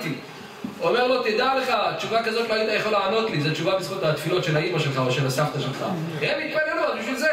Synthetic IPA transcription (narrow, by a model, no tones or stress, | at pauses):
t̪i | omeʁlo̞t̪id̪aleχatt͡ʃuvakazo̞t̪loait̪ajeχoleːno̞t̪lizot͡ʃuvabisχut̪at̪filo̞t̪ʃelaimaʃelχaoʃelasaft̪aʃelχa̰ | emit̪̚paleluabiʃvilze